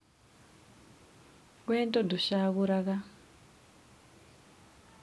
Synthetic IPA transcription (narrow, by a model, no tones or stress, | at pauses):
kwentɔdʱuʃakuɾaka